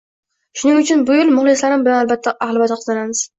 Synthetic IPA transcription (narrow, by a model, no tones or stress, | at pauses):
ʃʊnɪŋʊt͡ʃʰʊnbʊjʊlˠmʊχlˠɪslaɾɪmbɪlanalbat̪ʰːaʔahlˠbat̪ɪqʰɨzanamɪz̥